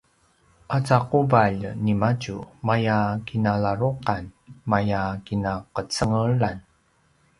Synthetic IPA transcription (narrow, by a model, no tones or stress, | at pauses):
ʔat͡saqubaʎnimat͡ʃumajakinalaɾuqanmajakinaqət͡səŋəɭan